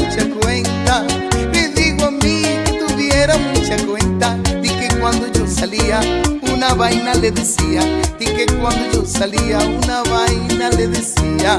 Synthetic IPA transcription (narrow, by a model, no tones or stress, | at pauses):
t͡ʃakwent̪aɾiðiɣwamĩt̪uviɛɾamũt͡ʃakwẽnt̪at̪ikekwãnd̪ʊd͡ʒosaliaunaβajnaleðesiat̪ikekwãnd̪ʊd͡ʒosaliaunaβajnaleðesia